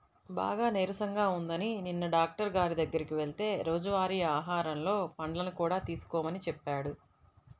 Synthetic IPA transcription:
ba̰ːɡaːneːɾɐsɐŋɡaːund̪ɐnininːɐɖaːk̚ʈɐɾɡaːɾid̪ɐɡːɐɾikiʋe̞ɭit̪e̞ːɾo̞ːd͡ʒɐʋaːɾiːaːɦaːɾɐmlo̞ːpɐɳɖɐlɐnukuːɽaːt̪iːsu̥kɔːmɐnit͡ʃɛpːaːɽu

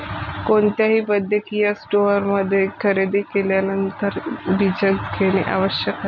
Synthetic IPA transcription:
koɳt̪jaɦiːpəd̪ʱːjəkijasʈoəɾməd̪ʱːjekʰəɾed̪ekeljanənt̪əɾʋid͡ʑəɡkʰeñeʔa̰ʋəɕjəka

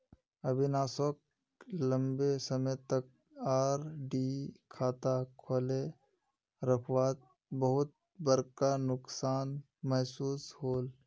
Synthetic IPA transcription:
ɐbʱinaːsok | lə̃mbesəmət̪ɐk̚ | aːɾɖikʰaːt̪akʰoːle | ɾəkʰwaːt̪̚ | bəɦʊt̪̚ | bəɾkanʊksaːn | mɐɦsuːshoːl

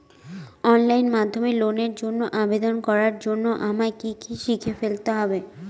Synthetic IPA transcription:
ɔnlajnmad̪ʱːomeloneɾd͡ʑonːoʔabed̪onkɔɾaɾd͡ʑonːoʔamakikiʃikʰefelt̪eɦɔbe

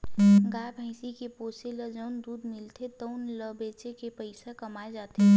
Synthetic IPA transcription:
ɡabʱə̃ɪsikeposeləd͡ʒəʊnd̪uːd̪mɪlt̪ʰet̪əʊnləbet͡ʃekepəɪsakəmaed͡ʒaːt̪e

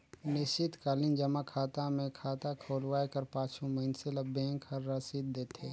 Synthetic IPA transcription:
nɪsɪt̪kaːlɪnd͡ʒɐmakʰaːt̪amẽkʰaːt̪akʰoːlwaːjkɐɾpãːt͡ʃũmɐɪnselɐbʱẽːŋkʰɐɾːasid̪̚d̪eːt̪ʰeː

